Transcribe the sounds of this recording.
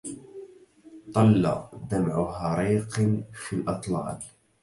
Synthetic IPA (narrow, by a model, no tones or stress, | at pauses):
t̪ˤɑlːɑ̰ʔd̪amʕʊhɑɾˤiːqfiʔɑt̪ˤlɑ̰ːl